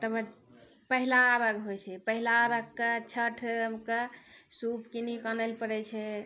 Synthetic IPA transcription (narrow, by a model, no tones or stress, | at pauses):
t̪əbə | pəɦilaɾəɡɦojt͡ʃʰɛpəɦilaɾəɡket͡ʃʰəʈʰmkesupkinikənəlpəɽɛt͡ʃʰɛ